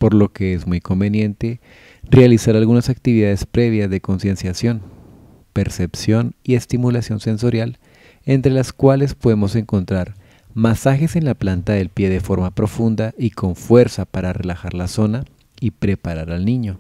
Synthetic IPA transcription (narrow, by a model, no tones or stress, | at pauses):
po̞ɾlo̞ke̞ezmujko̞mbe̞njẽ̞nt̪e̞ | realisaɾalɣunasak̚t̪iβiðaðe̞spɾe̞β̞jazðe̞ko̞nsje̞nsjasjo̞n | pe̞ɾse̞psjo̞nie̞st̪imulasjo̞nse̞nso̞ɾjal | e̞nt̪ɾe̞laskwale̞spo̞ðe̞mo̞se̞ŋko̞nt̪ɾaɾ | masaxe̞se̞nlaplant̪aðe̞lpje̞ðe̞fo̞ɾmapɾo̞fund̪aikʰo̞ɱfwe̞ɾsapaɾare̞laxaɾlaso̞na | ipɾe̞paɾaɾalnĩɲo̞